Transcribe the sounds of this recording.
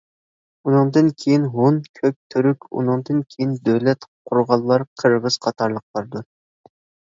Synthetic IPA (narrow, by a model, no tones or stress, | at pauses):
unɨŋd̪ɨnkʲʰejinɦonkʲʰøk̚ʲt̪ʰyɾykʲṵnɨŋd̪ɨnkʲʰejind̪øwlɛt̪qʰuɾʁɑlˠːɑɾqʰəɾʁəz̥qʰɑt̪ʰɑɾlˠəqlˠɑɾd̪u